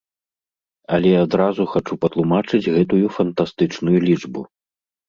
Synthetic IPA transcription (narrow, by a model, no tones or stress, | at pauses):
ɐlʲɛjad̪ɾazuxat͡ʂupɐt̪lˠumat͡ʂɨd͡zʲɣɛt̪ujufɐnt̪ast̪ɨt͡ʂnujulʲit͡ʂbu